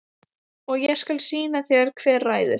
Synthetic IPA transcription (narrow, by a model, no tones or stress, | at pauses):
ɔɣjɛskalsiːnaθjɛɾ̥kʰvɛːɾraːjðʏɾ̥